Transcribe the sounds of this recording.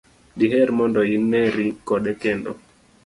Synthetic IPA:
diɦɛɾmɔndɔinːɛɾikɔɗɛkɛndɔ̰

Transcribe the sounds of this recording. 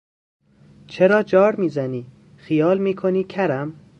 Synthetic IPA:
t͡ʃʰeɾɒːd͡ʒɒːɾmiːzæniː | xijɒːlmiːkʰoniːcʰæɾæm

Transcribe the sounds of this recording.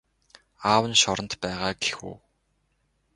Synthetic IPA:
aːwə̆nʃɔɾə̆nt̪pæːʁaːɡexṵː

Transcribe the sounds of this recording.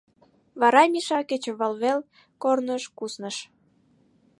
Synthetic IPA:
βɑɾɑmʲiʃɑket͡ɕə̆βəlβel | kornəʃkusnəʃ

